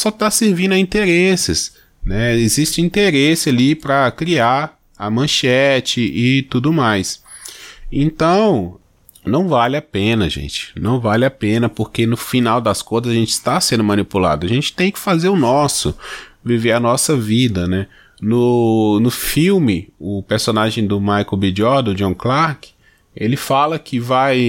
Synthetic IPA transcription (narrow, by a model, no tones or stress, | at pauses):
sɔt̪aseɾvĩnʊĩt̪eɾesɪs | nɛezist͡ʃɪĩnt̪eɾesɪalipɾɐkɾiaɾ | ɐmɐ̃ʃɛt͡ʃɪʔɪt̪ud̪ʊmajs | ẽnt̪ɐ̃w̃ | nɐ̃w̃valɪapẽnɐʒḛ̃nt͡ʃɪ̥nɐ̃w̃valɪapẽnɐpoɾkenʊfinawd̪ɐskõjzɐzaʒẽnt͡ʃɪ̥st̪asẽnd̪ʊmɐ̃nipula̰d̪ʊɐʒẽnt͡ʃɪ̥t̪ẽj̃kɪ̥fazeɾʊnɔsʊviveɾɐnɔsɐvid̪ɐnɛ | nʊnʊfiwmɪʊpeɾsõnaʒẽj̃d̪ʊmajkobid͡ʒɔɾd̪ʊ̃d͡ʒõw̃klaɾkɪ̥ | elɪfalɐkʰɪvaj